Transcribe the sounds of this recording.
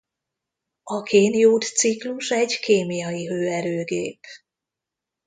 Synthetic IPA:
ɒkeːnjuːt̪sikluʃɛɟkeːmijɒjiɦøːɛɾøːɡeːp

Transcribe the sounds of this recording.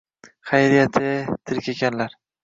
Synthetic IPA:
χajɾijat̪ʰɪt̪ʰɪɾkʲekʲʰanlaɾ

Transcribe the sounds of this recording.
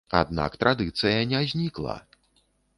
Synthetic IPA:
a̰d̪na̰kt̪ɾad̪ɨt̪sɨjɐnʲazʲnʲiklˠɐ̰

